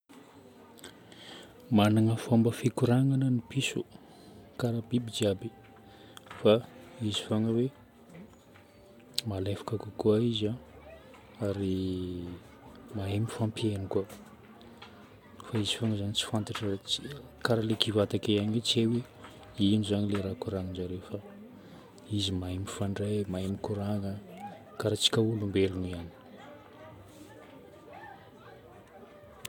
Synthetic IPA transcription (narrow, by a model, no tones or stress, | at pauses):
manaŋəfombəfikuɾaŋanənipisu | kaɾabibid͡ʒiabi | faizifoŋəwe | malefḁkakukuaiza | aɾi | maɦemifampienika | faizifoŋazanit͡si̥fant̪aʈ͡ʂəi̥kaɾalekivat̪akejaɲet͡sewe | inizanileɾakuɾaŋind͡ʒaɾefa | izimaemifaɳɖ͡ʐemaemikuɾaŋa | kaɾat͡si̥kʲaulumbelunuiani̥